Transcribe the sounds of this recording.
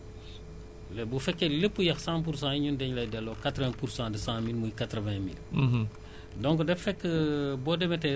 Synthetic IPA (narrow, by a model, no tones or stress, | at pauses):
lɛbufɛkːeləpːujɐxsãp̬uɾs̬ãːiɲundɛɲlɐjdɛlɔkatɾvɛ̃ːpuɾsãːdəsãmilmujkatɾəvɛ̃mil | dɔ̃ŋkdɛfɛkːəbɔdɛmɛtɛ